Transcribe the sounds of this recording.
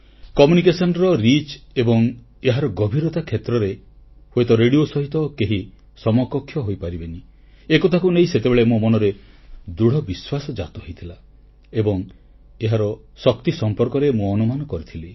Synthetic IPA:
kɔmjunikesɔnɔɾɔɾit͡ʃebɔŋ | eɦaɾɔɡɔbʱiɾɔt̪akʰjet̪ɾɔɾe | hojt̪ɔɾeɽiosɔɦit̪ɔkeɦi | sɔmɔkɔkʰːjɔɦojpaɾibeni | ekɔt̪ʰakunejset̪ebeɭemumɔnɔɾed̪uɽ̤ɔbiswasɔd͡ʒat̪ɔɦojt̪ʰila | ebɔŋ | eɦaɾɔ | sɔkt̪isɔmpɔɾkɔɾemũɔnumanɔkɔɾit̪ʰili

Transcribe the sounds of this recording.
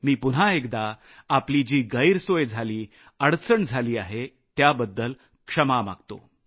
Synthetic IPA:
miːpun̤aekd̪a | aplid͡ʑiːɡəiɾsojd͡zʱaliː | əɽt͡səɳd͡zʱaliːaɦe | t̪jabəd̪ːəl | kʂəmama̰ɡt̪o̰

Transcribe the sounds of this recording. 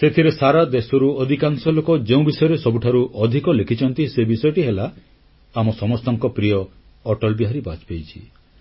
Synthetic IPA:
set̪ʰiɾesaɾad̪esɔɾuɔd̪ʱikansɔlokɔd͡ʒeũbisɔjɔɾesɔbuʈʰaɾuʔɔd̪ʱikɔlekʰit͡ʃʰɔnt̪isebisɔjɔʈiɦela | amɔsɔmɔst̪ɔŋkɔpɾijɔː | ʈɔlbiɦaɾibat͡ʃpejt͡ʃʰḭ

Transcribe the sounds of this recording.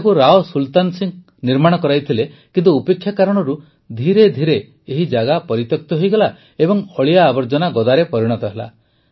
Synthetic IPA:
kuɾaɔsult̪ansiŋ | niɾmaɽ̃ɔkɔɾajt̪ʰile | kint̪uːpekʰːjakaɾɔɽ̃ɔɾu | d̪ʱiɾed̪ʱiɾeː | ɦid͡ʒaɡapɔɾit̪jɔk̚t̪ɔɦojɡɔla | ebɔŋɔɭijaːbɔɾd͡ʒɔnaɡɔd̪aɾepɔɾiɽ̃ɔt̪ɔɦela̰

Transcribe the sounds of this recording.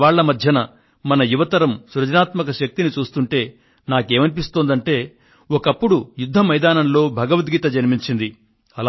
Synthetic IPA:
aːɭːɐmɐd̪ʱjɐnɐ | mɐnɐjuʋɐt̪ɐɾɐmsuɾɐd͡ʒɐnaːt̪mɐkɐʃɐk̚t̪init͡ʃuːst̪uɳʈe̞ː | naːke̞ːmɐnipist̪oːnd̪ɐɳʈe̞ː | ɔkɐpːuɽujud̪ʱːɐmɐjd̪aːnɐnlo̞ːbʱɐɡɐʋɐt̪ɡiːt̪ɐd͡ʒɐnimiɲt͡ʃind̪i | ɐl

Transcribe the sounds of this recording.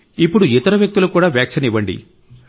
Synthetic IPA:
ipːuɽuit̪ɐɾɐʋjɐk̚t̪ulokuːɽaːʋjaːkʂɐniʋɐɳɖḭ

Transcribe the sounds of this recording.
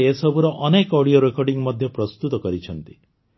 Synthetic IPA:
esɔbʱuɾɔʔɔnekɔɽioɾekɔɾɖiŋmɔd̪ʱjɔpɾɔst̪ut̪ɔkɔɾit͡ʃʰɔnt̪i

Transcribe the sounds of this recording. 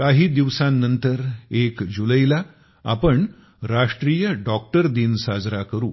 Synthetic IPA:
kaɦiːd̪iʋsãnːənt̪əɾekd͡ʑuləjla | a̰pəɳ | ɾaʂʈɾiːjəɖɔk̚ʈəɾd̪iːnsad͡zɾakəɾuː

